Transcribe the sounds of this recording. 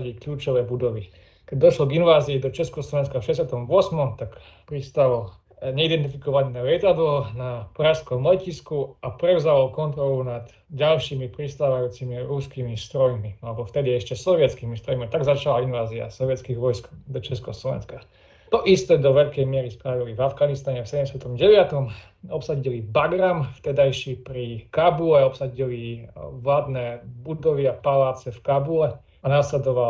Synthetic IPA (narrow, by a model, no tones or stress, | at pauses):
ɟikʎuːt͡ʃɔʋɛːbud̪ɔʋi | kɛɟ̚d̪ɔʃlɔɡinʋaːziːd̪ɔt͡ʃɛskɔslɔʋɛnskafʃɛɟɛsjat̪ɔmʋʊɔsmɔmt̪ak | pɾist̪al | ɲɛid̪ɛnt̪̬ifikɔʋalnɛlɪɛt̪ad̪lɔnapɾaʃskɔmːlɛciskuapɾɛʊzalkɔnt̪ɾɔlunad̪ | ɟalʃimipɾist̪aːʋajuːt͡simiɾuskimist̪ɾɔjmilɛbɔft̪ɛd̪iɛʃcɛsɔʋɪɛt͡skimist̪ɾɔjmit̪aɡzat͡ʃalainʋaːzia̰sɔʋɪɛt͡skiɣʋɔjskd̪ɔt͡ʃɛskɔslɔʋɛ̰nska | t̪ɔʔist̪ɛd̪ɔʋɛʎkɛjmɪɛɾispɾaʋilivavɡanist̪aɲɛfsɛɟɛmsjat̪ɔmɟɛʋɪat̪ɔm | ɔpsaɟilibaɡɾamft̪ɛd̪ajʃiːpɾikabulɛɔpsaɟiliʋlaːd̪nɛːbud̪ɔʋɪapalaːt͡sɛfkabulɛ | anaːslɛd̪ɔʋa